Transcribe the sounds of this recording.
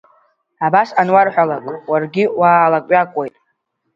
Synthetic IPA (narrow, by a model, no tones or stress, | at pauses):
abasanwarħʷᶣalakʷʼwarɡʲɪwaːlakʼɥakʷʼojtʼ